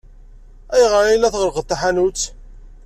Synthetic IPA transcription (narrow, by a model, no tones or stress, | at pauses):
æjʁəɾilæθʁəɾqət̪ˤːaħanut͡sː